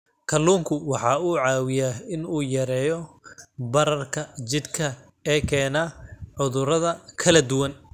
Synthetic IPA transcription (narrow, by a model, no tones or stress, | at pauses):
kʰɐluːŋkʰʊwɑħɑːuːʕɑːwɪjaɪnuːjɐɾɛːjɔbɐɾɐrkʰɐt͡ʃɪd̪kʰɐ | ɛːkʰɛːnaʕʊðʊɾɐðɐkʰɐlɐd̪ʊwɐn